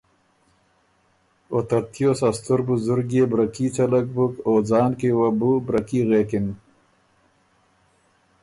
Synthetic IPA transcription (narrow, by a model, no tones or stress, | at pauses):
ot̪aɾt̪josast̪uɾbuzʊɾɡeːbɾakit͡salak̚bukoːd͡zɑːnkewabubɾakiɣekɪn